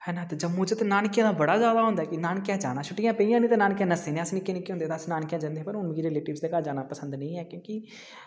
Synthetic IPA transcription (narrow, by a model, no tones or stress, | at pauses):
hɛːnãːt̪ed͡ʒəbmʊ̃d͡ʒt̪enaːnkjãːd̪aːbəɽaːzaːd̪aːɦʊ̃nd̪aːkɪnaːnkjãːd͡ʒa̰ːnaːt͡ʃʰʊʈːɪjãːpeijãːnĩːt̪aːnaːnkjãːnəsẽːnẽːəsnɪkːeːnikːɦʊ̃nd̪eːt̪aːsnaːnkjãːd͡ʒãnd̪eɛ̃ːpəɾʊnmːiːɾeːleːʈɪbsd̪eːkaːd͡ʒaːnaːpəsənd̪nə̃ĩːɛːkjõːki